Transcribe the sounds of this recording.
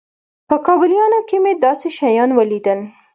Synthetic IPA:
pəkɑbɪljɑnokemed̪ɑseʃajɑnwəlid̪əl

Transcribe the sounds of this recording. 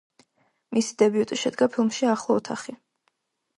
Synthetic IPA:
misi̥d̪̥ɛbiut̪ʼiʃɛd̪ɡapʰilˠmʃiaχlˠɔɔt̪ʰaχi

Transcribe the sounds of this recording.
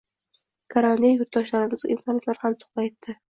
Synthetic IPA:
kʰaɾanijjʊɾt̪d̪ɒʃlaɾɪmɪzɪ̰nsɒnat̪laɾhamt̪ʰʊ̥χlˠajet̪ʰːɪ

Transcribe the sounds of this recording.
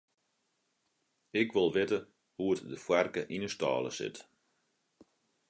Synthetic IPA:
ɪkʋɪlˠʋɪtə | huətdəfwɛrkəʔinəstɔ̰ːlˠə̰sɪ̰t

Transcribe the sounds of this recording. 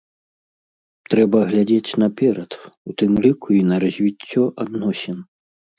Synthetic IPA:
t̪ɾɛbɐɣlʲad͡zʲet͡sʲnɐpʲɛɾɐt̪ut̪ɨmlʲikuinɐɾɐzʲvʲit͡sʲːɔʔad̪nɔsʲɛn

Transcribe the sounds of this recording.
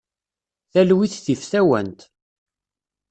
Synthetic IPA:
θælwiθθifθæwæ̰nt̪

